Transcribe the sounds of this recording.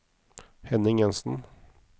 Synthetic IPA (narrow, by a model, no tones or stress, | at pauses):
hɛnɪŋɛnsn̩